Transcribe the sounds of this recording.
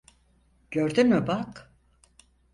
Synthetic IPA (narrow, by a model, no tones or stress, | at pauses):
ɟ̥øɾd̪ynmybak